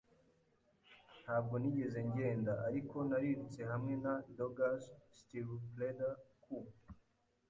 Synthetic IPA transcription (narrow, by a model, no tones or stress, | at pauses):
nhaːb̚ɡo̞niɟe̞ze̞ɲɟe̞ːndaʔaɾiko̞naɾiɾut͡se̞ɦamŋe̞nadoɡasstivpledakʰu